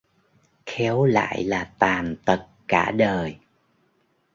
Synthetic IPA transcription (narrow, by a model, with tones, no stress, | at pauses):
xɛ˨˦wla̰ː˧˨jlaː˨˩t̪aː˨˩nt̪ə˨˩t̚kaː˧˩ɗəː˨˩j